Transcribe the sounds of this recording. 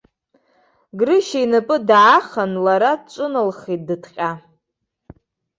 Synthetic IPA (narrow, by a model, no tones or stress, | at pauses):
ɡrɨʃeinɨpʼɨdʕaχanlaɾat͡ʃʷʼʊnɨlχit̚dɨtʰqʲʼa